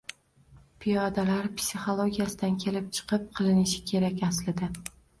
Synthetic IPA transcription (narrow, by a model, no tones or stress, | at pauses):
pʰijɒd̪alaɾpsʲiχolˠoɡʲijasɪd̪ankʲʰe̞lɪp̚t͡ʃʰɨ̥qʰɨp̚qʰɨlˠɪnɪʃɪ̥kʲʰe̞ɾakʲaslɪd̪ɪ